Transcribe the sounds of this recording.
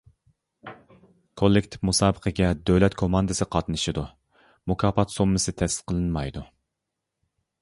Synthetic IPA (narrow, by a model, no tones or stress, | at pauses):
kʰolˠːɪkʲt̪ʰɪ̥fmusɑːbəqʰəɡʲɛd̪øwlɛt̪kʰomɑnd̪ɨsɨqʰɑt̪nɨʃɨd̪u | mukʰɑːpɑt̪somːɨsɨt̪ʰɛsɨ̥qʰəlˠɨnmɑjd̪u